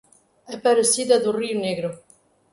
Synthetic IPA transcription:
ɛpaɾesiðad̪uriuneɣɾo

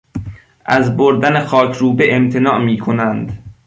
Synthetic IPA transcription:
ʔæzboɾd̪ænexɒːcʰɾuːbeʔemt̪ʰenɒːʔmiːkʰonænd̪

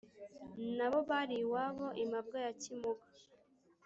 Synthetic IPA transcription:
naβo̞βaɾiwaβoʔimab̚ɡajacimukḁ

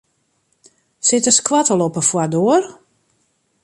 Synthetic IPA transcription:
sɪtəskwatəlɔpəfwardoər

